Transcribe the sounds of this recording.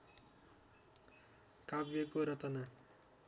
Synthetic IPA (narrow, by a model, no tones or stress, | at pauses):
kabjʌkoɾʌt͡sʌna